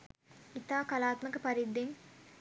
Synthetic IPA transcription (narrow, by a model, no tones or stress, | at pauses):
it̪aːkɐlaːt̪mɐkɐpɐɾid̪ːiŋ